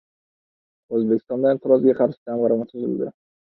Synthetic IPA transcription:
ɵzbekʲʰːɪst̪ɒnd̪aent̪ʰɪɾɒzɡʲaqʰɑɾsd͡ʒamʁɑɾɑmat̪sʰʊzɪ̰ld̪ɪ̰

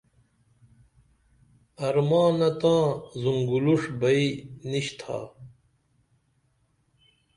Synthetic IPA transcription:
ɐɾmãːnɐt̪ãːzuŋɡuluʂbɐiniɕt̪ʰa̰ː

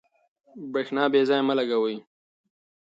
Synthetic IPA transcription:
bɾeːxnɑːbezɑjməlaɡawəj

